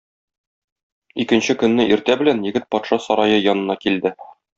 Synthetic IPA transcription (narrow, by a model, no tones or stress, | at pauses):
ikɘ̆nɕɘkɵ̆nːɘʔiɾt̪æbɘ̆lænjɘ̆ɡɘt̪̚pɒt̪ʃɑsɒɾɑjɤjɒnɤ̆nɑkild̪ɘ